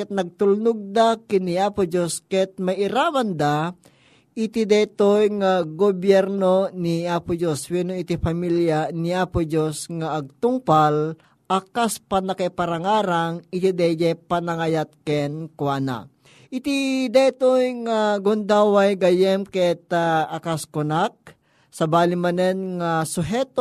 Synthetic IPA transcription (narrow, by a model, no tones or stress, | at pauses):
ɛt̪̚nɐɡ̚t̪ʊlnʊɡ̚d̪akɪniaːpʊd͡ʒoskɛt̪̚majɪɾaːwand̪a | ʔɪt̪id̪ɛt̪ojŋaɡobjɛɾnoniaːpʊd͡ʒoswɛnoɪt̪ipamiljaniapʊd͡ʒosŋaʔːɡ̚t̪ʊŋpal | ʔakaspanakapaɾaŋaːɾaŋɪt̪id̪ɛd͡ʒɛpanaŋajat̪̚kɛnkwana̰ | ʔɪt̪id̪ɛt̪ojŋaɡʊnd̪awajɡajɛmkɛt̪aakaskʊnak̚ | sɐbaːlɪmɐnɛnŋasʊɦɛt̪